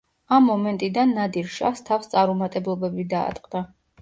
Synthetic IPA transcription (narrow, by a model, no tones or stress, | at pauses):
amːɔmɛnt̪ʼid̪anːad̪iɾʃa̰fst̪ʰafst̪sʼaɾumat̪ʼɛblˠɔbɛbid̪a̰ːt̪ʼqʼd̪a